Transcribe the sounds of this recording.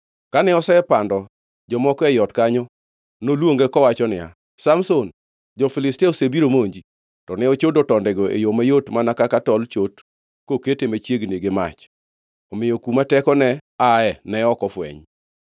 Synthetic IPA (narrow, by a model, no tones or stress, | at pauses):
kanɛɔsɛɛpandɔ | d͡ʒɔmɔkɔɛjɔtkaɲɔ | nolwoŋɡekɔwat͡ʃɔnɪja̰ | samson | d͡ʒɔfɪlɪstɛosebiɾomoɲd͡ʒi | tɔnɛot͡ʃodɔtɔndɛɡɔḛjomajotmanakakatɔlt͡ʃot | koketemat͡ʃjeɡneɡema̰t͡ʃ | ɔmɪjɔkumatɛkɔnɛaɛnɛɔkɔfwɛ̰ɲ